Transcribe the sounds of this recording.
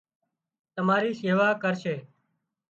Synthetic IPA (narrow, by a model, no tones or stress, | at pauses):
t̪əmaːɾiːseːʋaːkəɾʃeː